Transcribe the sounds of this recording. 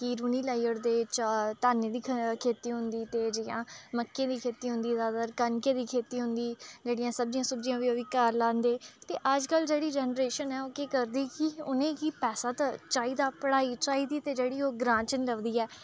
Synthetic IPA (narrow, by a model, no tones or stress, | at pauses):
kiːɾuːniːlaːjəɾd̪eːt͡ʃt̪aːneːd̪iːkʰeːt̪iːɦʊnd̪iːt̪eːd͡ʒɪjãːməkːẽːd̪iːkʰeːt̪iːɦʊ̃nd̪iːzaːd̪aɾkənkeːd̪iːkʰeːt̪iːɦʊnd̪iːd͡ʒeːɽijãːsəb̚d͡ʒɪãːsəbd͡ʒijãːʋiːəʋɪːkaːɾlãːnd̪eːt̪eːʔəd͡ʒkəld͡ʒeːɽiːd͡ʒɛːnɾeːʃənɛːoːkeːkəɾd̪iːkiʊnẽːkipɛːsaːt̪at͡ʃaːiːd̪aːpəɽaːiːt͡ʃaːiːd̪iːt̪eːd͡ʒeːɽiːoːɡɾãːt͡ʃənləʋd̪iːɛː